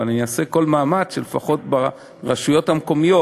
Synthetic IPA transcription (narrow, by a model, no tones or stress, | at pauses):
aninase̞ko̞lmaːmat͡sʃelefaχo̞tba | ʁaʃujo̞thamko̞mijo